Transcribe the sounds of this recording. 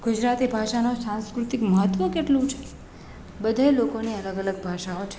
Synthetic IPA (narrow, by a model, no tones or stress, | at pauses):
ɡ̥ud͡ʒɾat̪ibʱaʃanosãnskɾut̪ikməɦət̪ʋəkeʈlũt͡ʃʰe̥ | bəd̪ʱaelokoniələɡələɡ̚bʱaʃaot͡ʃʰe̥